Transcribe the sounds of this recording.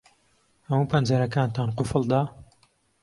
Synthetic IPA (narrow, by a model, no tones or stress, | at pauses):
hɐmupʰɐnd͡ʒɐɾɐkaːnt̪aːnqʊfəlˠd̪aː